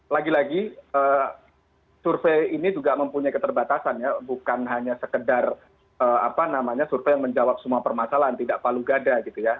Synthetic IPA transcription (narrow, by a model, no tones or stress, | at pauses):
laɡilaɡiəː | surfeinid͡ʒuɡaməmpuɲajkət̪ərbat̪asanjabukanɦaɲasəkədar | əːa̰panamaɲasurfejaŋməɲd͡ʒawap̚səmuapərmasalaant̪idaʔpaluɡadaɡit̪uja